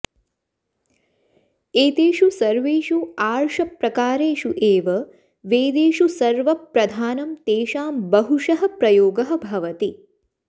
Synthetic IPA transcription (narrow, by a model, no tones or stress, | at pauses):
eːt̪eːʃusɐɾʋeːʃuaːɾʃɐpɾɐkaːɾeːʃuʔeːʋɐ | ʋeːd̪eːʃusɐɾʋɐpɾɐd̪ʱaːnɐmt̪eːʃaːmbɐɦuʃɐɦɐpɾɐjoːɡɐɦɐ̆bʱɐʋɐt̪i